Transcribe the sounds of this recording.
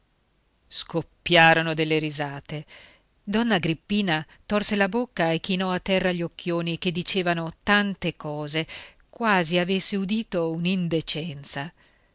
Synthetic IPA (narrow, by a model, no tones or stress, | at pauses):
skopːjaːɾonod̪elːeɾizaːt̪e | d̪ɔnːaɡɾipːiːna | t̪orselabokːaekːinɔat̪ːɛrːaʎːokːjoːnik̟ed̪ːit͡ʃeːvanot̪ant̪ekɔːze | kwaːziavesːeud̪iːt̪ounind̪et͡ʃɛnt̪sa